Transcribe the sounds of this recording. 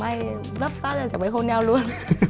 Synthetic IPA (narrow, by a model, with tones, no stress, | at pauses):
ma˧j | zə˦˥p̚vaː˦˥zaː˧˩t͡ɕa˧˩mɓə˨˦jɦo˧nɲa˧wlu˧ən